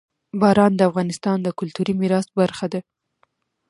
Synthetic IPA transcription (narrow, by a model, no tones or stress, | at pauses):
bɑɾɑnd̪əafɣɑnɪst̪ɑnd̪əkʊlt̪uɾimiɾɑsbaɾxad̪a